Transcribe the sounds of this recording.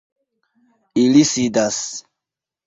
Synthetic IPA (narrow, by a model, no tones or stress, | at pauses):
ilisidas